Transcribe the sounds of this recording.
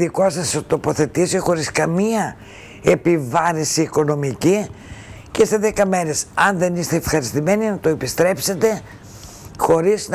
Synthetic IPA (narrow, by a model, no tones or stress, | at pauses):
ðikosɐst̪opo̞θe̞t̪isixo̞ɾiskɐmiɐ | e̞pivɐɾinsiːko̞no̞mici | cest̪eðekɐme̞ɾe̞sɐnðe̞nist̪eːfxɐɾist̪ime̞ninɐt̪o̞epist̪ɾe̞pse̞t̪e̞ | xo̞ɾizn